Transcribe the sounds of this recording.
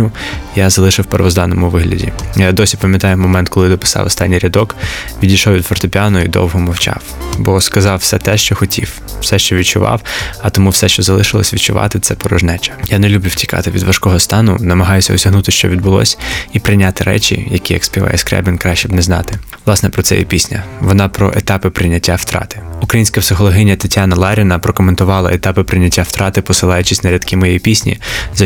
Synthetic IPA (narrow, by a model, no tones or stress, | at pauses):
ʊjazɐlˠɪʃɪwpeɾʋɔzd̪ɑnɔmʊʋɪɦlʲɐ̰dʲḭjad̪ɔsʲipɐmʲjɐt̪ɑjʊmɔmɛnt̪kɔlˠɪd̪ɔpɪ̥sɑ̰wɔ̰st̪ɑnʲːijɾʲɐd̪ɔkʋʲidʲijʃɔwʋʲid̪ʋɔrt̪ɔpʲanʊid̪ɔ̰wɦɔmɔwt͡ʃɑ̰wbɔskɐzɑwsɛt̪ɛʃt͡ʃɔxɔtʲʰiwː | sɛʃt͡ʃɔʋʲid̪̚t͡ʃʊʋɑ̰wɐt̪ɔmuwsɛʃt͡ʃɔzɐlˠɪʃɪlˠɔ̰sʲʋʲid̪t͡ʃʊʋɑ̰t̪ɪt̪sɛpɔɾɔʒnɛt͡ʃɐ̥janelʲublʲuwtʲi̥kɑ̰t̪ɪʋʲid̪ʋɐʃkɔɦɔst̪ɑnʊ̰nɐmɐɦɑjʊsʲɐɔsʲɐɦnut̪ɪʃt͡ʃɔ̰ʋʲid̪̚bʊlˠɔ̰sʲipɾɪnʲat̪ɪɾɛ̰t͡ʃʲḭjɐkʲijɐ̰kspʲiʋɑ̰jɛskɾɛ̰bʲinkɾɑʃt͡ʃibnɛznɑ̰t̪ɪʋlˠɑsnɛpɾɔt̪sɛ̰jḭpʲisʲnʲɐ̰ʋɔnɑpɾɔ̰ʔet̪ɑpɪpɾɪnʲɐtʲːawt̪ɾɑ̰t̪ɪ̥ukɾɐjinʲsʲkɐpsɪxɔlˠɔɦɪnʲːɐt̪ɐtʲanɐlˠɑɾʲinɐpɾɔkɔment̪ʊʋɑlˠɐ̰et̪ɑpɪpɾɪnʲːɐtʲːawt̪ɾɑt̪ɪpɔsɪlˠɑjʊt͡ʃisʲnɐɾʲɐd̪kɪmɔjɛjipʲisʲnʲḭzɐ